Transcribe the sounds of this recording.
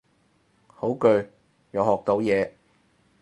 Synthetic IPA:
ho˨˥wkɵ˨˧ɥ | jɐ˨˧whɔː˨k̚t̪o˨˥wjɛː˨˧

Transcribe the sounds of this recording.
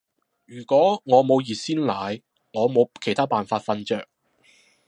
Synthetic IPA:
jyː˨˩kʷɔː˨˥ŋɔː˨˧mo˨˧wjiː˨˩t̚siː˥nlaː˨j | ŋɔː˨˧mo˨˧wkʰe˨˩jt̪ʰaː˥paː˨nfaː˧t̚fɐ˧nt͡ʃœː˨k̚

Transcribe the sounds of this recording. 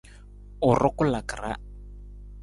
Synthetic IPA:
ʊ˨rʔɔ˦kʊ˦la˨kra̰˦

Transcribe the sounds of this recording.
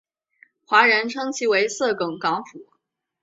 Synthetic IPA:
xwa˧˥ɻə˧˥nʈ͡ʂʰɤ˥ŋt͡ɕʰi˧˥we˧˥ɪsɤ˥˩kɤ˨˩ŋkɑ˧˥ŋfu˨˩˦

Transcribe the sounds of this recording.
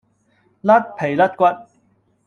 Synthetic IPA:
lɐ˥t̚pʰe˨˩jlɐ˥t̚kʷɐ˥t̚

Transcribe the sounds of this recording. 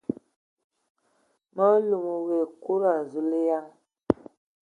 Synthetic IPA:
mə˦lu˨mu˨ɣe˨ku˦ɾa˨zu˨li˦ja˦ŋ

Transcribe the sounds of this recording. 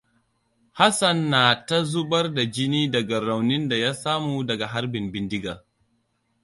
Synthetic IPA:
ha˦sɐ˨nːaː˨ta˦zu˦bɐ˦rda˨d͡ʒɪ˦niː˦dɐ˨ɡa˨ɾa˨wnɪ˦nda˨jaː˦saː˦muː˨dɐ˨ɡa˨ɦa˦ɾbɪ˨mbɪ˨ndɪ˦ɡaː˨

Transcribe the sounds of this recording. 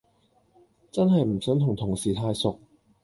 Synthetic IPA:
t͡sɐ˥nɦɐ˨jm̩˨˩sœ˨˥ŋt̪ʰʊ˨˩ŋt̪ʰʊ˨˩ŋsiː˨˩t̪ʰaː˧jsʊ˨k̚

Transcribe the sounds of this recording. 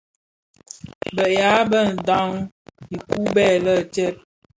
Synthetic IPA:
bə˨ʔja˨˦bə˦˨n̩˨dɔ˦ŋ | i˨ku˦bɛ˦˨lə˦˨t͡ʃɛ˦t̚

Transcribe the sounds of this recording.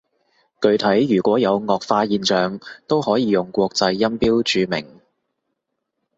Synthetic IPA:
kɵ˧ɥt̪ʰɐ˨˥jːyː˨˩kʷɔː˨˥jɐ˨˧wŋɔː˨k̚faː˧jiː˨˧nt͡ʃœː˨ŋt̪o˥whɔː˨˥jiː˨˧jʊ˨ŋkʷɔː˧k̚t͡sɐ˧jːɐ˥mpiː˥wt͡ʃyː˨˧mɪ̰˨˩ŋ

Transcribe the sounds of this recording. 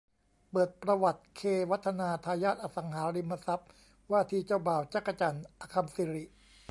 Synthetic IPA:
pɤː˨˩t̪̚pɾa˧wa˨˩t̪̚kʰeː˧wa˦˥t̪ʰːa˧naː˧t̪ʰaː˧jaː˥˩t̪̚ʔa˧˩sa˩˦ŋɦaː˩˦ɾi˧mːa˧sa˦˥p̚ | waː˥˩t̪ʰiː˧t͡ɕaː˥˩wbaː˨˩wt͡ɕa˦˥kːa˧t͡ɕaː˨˧nʔa˧kʰa˧msiː˨˦ɾi˨˩ʔ

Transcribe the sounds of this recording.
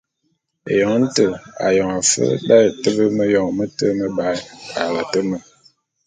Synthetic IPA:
ḛ˨jɔ˨ŋ˦n̩˦tə˨a̰˨jɔ˨ŋa˨fə̰˦ba˦ə˨tə˦bə˦mə˦jɔ˨ŋmə˦tə˦mə˦ba˦a˨lə˨tə˦mə˨

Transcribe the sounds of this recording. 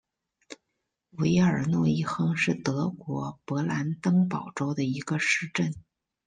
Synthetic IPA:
we˧˥ɪə˞˨˩nwɔ˥˧i˥˩xɤ˥ŋʂɻ̩˥˩t̪ɤ˧˥kwɔ˧˥pɤ˧˥la˧˥nt̪ɤ˥ŋpɑ˨˩ʊʈ͡ʂo˥ʊd̪ə˨i˧˥ɡə˧ʂɻ̩˥˧ʈ͡ʂə˥˩n

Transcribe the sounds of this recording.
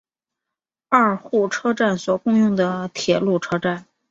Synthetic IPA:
a˥˩˧xu˥˩ʈ͡ʂʰɤ˥ʈ͡ʂa˥˩nswɔ˨˩kʊ˥˧ŋjʊ˥˩ŋd̪ə˩t̪ʰjɛ˨˩lu˥˩ʈ͡ʂʰɤ˥ʈ͡ʂa˥˩n

